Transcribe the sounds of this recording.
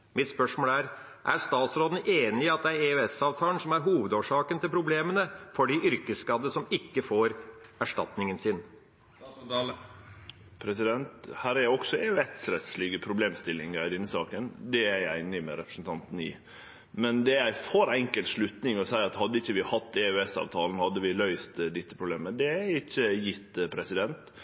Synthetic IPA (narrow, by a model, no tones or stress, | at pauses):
mɪt̪spœʂmoːlæːɾ | ʔæ̰ɾst̪ɑːt̪sɾoːd̪nəʔeːnɪɑt̪̚d̪ɛæɾeœɛsɑːʋt̪ʰɑːlən̩sɔmæɾɦuːʋəd̪oːʂɑːkənt̪ʰɪlpʰɾʊbleːmənəfɔɖiʔʏɾkəskɑd̪ːəsɔmɪkːəfoːɾæʂʈɑ̰t̪nɪŋənsɪn | pʰɾɛsɪd̪ɛnt̪hæːɾæjæɪɔksɔɛːʉɛt̪sɾɛt̪slɪɡəpʰɾʊbleːmst̪ɪlːɪŋæd̪ɪnːəsɑ̰ːkənd̪ɛæɾæɪɪnɪmɛ̰ɾɛpɾə̥sn̩t̪ʰɑnt̪n̩ɪ̰ | mɛnd̪ɛjæɪfoɾɛŋkəlt̪ʂlʉt̪nɪŋɔsæɪɑt̪hɑd̪ːəɪçːəʋɪhɑt̪ːɛʉɛsɑ̰ːʋt̪ʰɑːlən̩hɑd̪ːəʋɪlœʏst̪d̪ɪt̪ːəpʰɾʊbleːməd̪ɛæɾɪçːəjɪt̪ːpʰɾɛsɪd̪ɛnt̪